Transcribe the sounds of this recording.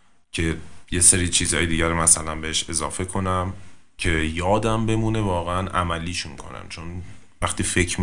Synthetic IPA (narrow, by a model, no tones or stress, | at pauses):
cʰe̞je̞seɾiːt͡ʃʰiːzɒːjed̪iːɟæɾomæsælænbeɦeʃe̞zɒːfe̞kʰo̞næmcʰe̞jɒːd̪æmbe̞muːne̞vɒːɣeænʔæ̰mælːiːʃuŋkʰo̞̰næ̰mt͡ʃʰo̞n | væxt̪iːfe̞cʰm